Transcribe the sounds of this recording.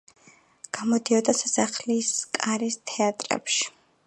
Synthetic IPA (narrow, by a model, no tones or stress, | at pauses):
ɡ̥amɔd̪iɔd̪asasaχliskʼaɾist̪ʰɛat̪ʼɾɛ̰pʃi̥